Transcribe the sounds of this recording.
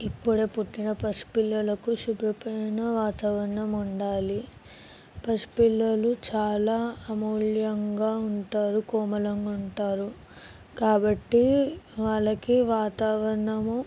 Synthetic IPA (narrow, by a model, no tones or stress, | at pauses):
ipːuɽeːpuʈːinɐpɐspilːɐlɐkuʃubɾɐpɐjnɐʋaːt̪aːʋɐɾɐɳɐmuɳɖaːli | pɐspilːɐlut͡ʃaːlaːɐmuːljɐŋɡaːuɳʈaːɾukɔːmɐlɐŋɡuɳʈaːɾu | kaːbɐʈːiʋaːɭːɐkiʋaːt̪aːʋɐɾɐɳɐmu